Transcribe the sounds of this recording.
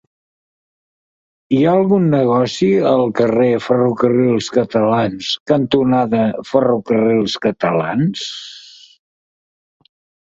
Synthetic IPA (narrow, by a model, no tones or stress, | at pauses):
iaəlˠɣunːəɣ̞ɔsiəlˠkərefərukərilˠskət̪əlanskənt̪unaðəfərukərilˠskət̪əla̰ns